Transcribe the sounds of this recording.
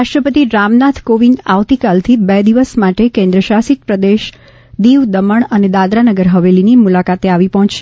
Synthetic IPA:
aʃʈɾəpət̪iɾamnat̪ʰkoʋina̰ʋt̪ikalt̪ʰibɛd̪iʋəsmaʈekẽnd̪ɾəʃasit̪̚pɾəd̪eʃ | d̪iʋd̪əməɳəned̪ad̪ɾanəɡəɾɦəʋelinimulakat̪eaʋipəɦɔ̃t͡ʃʃe

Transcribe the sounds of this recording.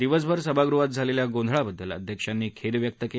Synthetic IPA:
d̪iʋəs̬bʱəɾsəbʱaɡɾuɦat̪̚d͡zʱaleljaɡõnd̪ʱɭabəd̪ʱːələ̰d̪ʱjəkʂanːiːkʰeɾʋjək̚t̪əke

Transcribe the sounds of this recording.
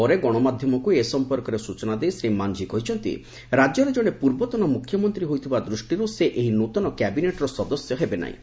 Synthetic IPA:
ɔɾeɡɔɽ̃ɔmad̪ʱjɔmɔkuesɔmpɔɾkɔɾesut͡ʃɔnad̪ejsɾimand͡ʒikɔɦit͡ʃʰɔnt̪ḭ | ɾad͡ʒjɔɾed͡ʒoɽ̃epuɾbɔt̪ɔnɔmukʰːjɔmɔnt̪ɾiɦojt̪ʰibad̪ɾusʈiɾuseʔeɦinot̪ɔnɔkɛbineʈɾɔsɔd̪ɔsjɔɦebena̰ḭ̃

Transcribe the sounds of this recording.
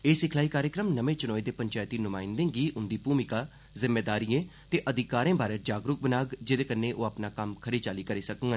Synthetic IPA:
eːsɪkʰlaːiːkaːɾjəkɾəmnəʋẽːt͡ʃʊnɔːid̪eːpəɲt͡ʃaːjt̪iːnʊmaːɪ̃nd̪ẽːɡiːʔʊnd̪iːpuːmɪkaː | zɪmːeːd̪aːɾiːẽː | t̪eːʔəd̪ʱɪkaːɾẽːbaːɾeːd͡ʒaːɡɾʊk̚bənaːɡd͡ʒed̪eːkənẽːʔoːapnaːkəmkʰəɾeːt͡ʃaːliːkəɾeːsəkŋɡə

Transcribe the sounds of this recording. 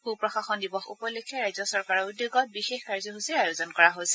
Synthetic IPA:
pupɹɔxaxɔndibɔxṵpɔlekʰːɛɹajzɔsɔɹkaɹɔud̪joɡɔt̚bixexkaɹzɔɦusiajozɔnkɔɹaɦojsɛ̥

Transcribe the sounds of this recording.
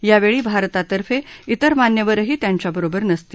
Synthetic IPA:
jaʋeɭiːbʱaɾt̪at̪əɾfeit̪əɾmanjəʋəɾɦiːt̪jaɲt͡ɕjabəɾobəɾnəst̪iː

